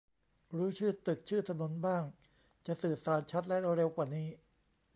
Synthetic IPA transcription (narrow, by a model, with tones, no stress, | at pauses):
ɾuː˦˥t͡ɕʰɯː˥˩t̪ɯ˨˩k̚t͡ɕʰɯː˥˩t̪ʰa˧no˨˩˦nbaː˥˩ŋ | t͡ɕa˨˩sɯː˨˩saː˩˦nt͡ɕʰa˦˥t̪̚lɛ˦˥ʔɾe˧wkwaː˨˩niː˦˥